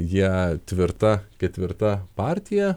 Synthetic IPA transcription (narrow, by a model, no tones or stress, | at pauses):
jiɛt̪ʲʋʲɪɾt̪ɐkʲɛt̪ʲʋʲɪɾt̪ɐpɑːɾʲt̪ʲɪjɛ